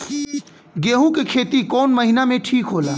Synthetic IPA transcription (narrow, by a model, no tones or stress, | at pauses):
ɡeːɦũkekʰeːt̪ikɔːnməɦinamẽʈʰiːkɦoːlaː